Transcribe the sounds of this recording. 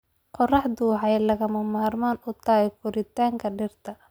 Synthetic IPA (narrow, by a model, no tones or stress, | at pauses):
qɔrɑħd̪uːħɑjlɐɣɐmɐmaːrmaːnʊt̪ʰaːɛkʰʊɾɪt̪ʰaːŋkʰɐɖɪrt̪ʰɐ